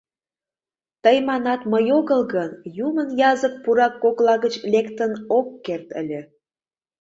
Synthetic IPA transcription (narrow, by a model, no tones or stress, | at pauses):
t̪əjmɑnɑt̪məjoɣəlɣənjumənjɑzək̚puɾɑkːoklɑɣət͡ɕlʲekt̪ənokːert̪ə̰lʲĕ